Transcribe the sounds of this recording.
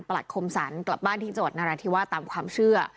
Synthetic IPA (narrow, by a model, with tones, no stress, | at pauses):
npa˧la˨˩kʰo˧msaː˩˦nkla̰˨˩p̚baː˥˩nt̪ʰiː˥˩t͡ɕo˨˩t̪̚na˧ɾaː˧t̪ʰiː˦˥˩waː˥˩t̪aː˧mkʰwaː˧mt͡ɕʰɯ˥˩ɐ